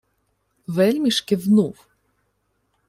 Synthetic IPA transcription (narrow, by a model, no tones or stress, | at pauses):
ʋɛlʲmʲiʃkɪʋnuw